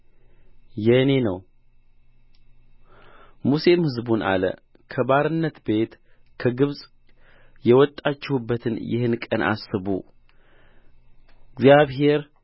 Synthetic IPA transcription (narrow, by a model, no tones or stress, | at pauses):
jɛɨne̞nə̰w | muse̞mhɨzbunʔa̰lə̰ | kʰəbaɾɨnːət̪be̞t̪ | kʰəɡɨβsʼ | jɛwɔt̪ʼːat͡ʃːɪhubːət̪ʰɨnjɪ̰hɨnkʼənʔa̰sːɨβṵ | ɡzjaβɦe̞ɾ